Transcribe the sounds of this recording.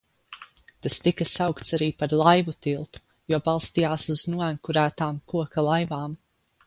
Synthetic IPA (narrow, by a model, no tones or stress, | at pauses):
t̪ast̪ikasawkt̪saɾiːpaɾlˠajvut̪ilˠt̪u̥ | juɔbɑlˠst̪ijaːsuznuɔænkuɾæːt̪aːmkuɔkalˠajvaːm